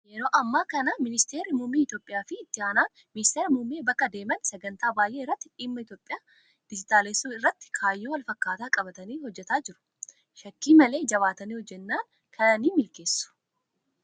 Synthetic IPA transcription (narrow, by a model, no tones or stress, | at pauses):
jɛɾoːʔɐmːaːkɐnɐmɪnɪst̪e̞ːɾɪmʊmːiːɪt̪jo̞ːpʼɪjaːfɪːt̪ːɪaːnaːn | mɪnɪst̪eːɾmʊmːeːbɐkːɐd̪e̞ːmɐnsɛɡɐnt̪aːbaːjʔeːɪrːɐt̪ːɪᶑiːmːɐɪt̪jo̞ːpʼːɪjaː | d̪̥ɪd͡ʒɪt̪ʼaːleːsːuɪrːɐt̪ːɪ̥kʰaːjːoːwɐlfɐkːaːt̪aːkʼɐbɐt̪ɐniːhɔd͡ʒːɛt̪aːd͡ʒɪɾʊ̥ | ʃɐkːiːmɐle̞ːd͡ʒɐβaːt̪ɐniːhɔd͡ʒːɛnːaːn | kʰɐnɐniːmɪlke̞ːsːʊ̥